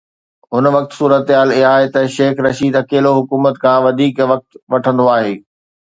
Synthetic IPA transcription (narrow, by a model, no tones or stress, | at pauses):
ɦʊnʋɐk̚t̪suːɾət̪ɦaːliɦaːɦet̪ɐʃeːxɾɐʃiːd̪ɐkeːloɦʊkuːmət̪kʰãːʋɐd̪ʱiːkʋɐk̚t̪ʋɐʈʰə̃nd̪oaːɦeː